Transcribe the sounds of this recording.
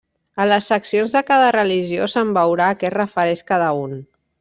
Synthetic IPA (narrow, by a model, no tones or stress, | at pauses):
ələsːəksionzðəkaðərəliʒiosəmbəwɾaːkɛt̪rəfəɾɛʃkaðəun